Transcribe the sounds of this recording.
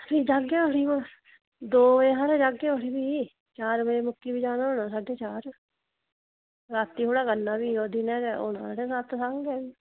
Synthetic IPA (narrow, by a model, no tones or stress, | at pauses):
biːd͡ʒaːɡɛːʊɽiːmãː | d̪oːeːɦaːɾed͡ʒaːɡeːoɽiːbiː | t͡ʃaːɾmeeːmʊkːiːbiːd͡ʒaːnaːoːnãːsaːɖeːt͡ʃaːɾ | ɾaːt̪iːɦoːɽaːkənːaːbiːoːd̪iːnɛːɾo̰ːnã̰ːaːɖeːsat̪saŋɡɛːʋiː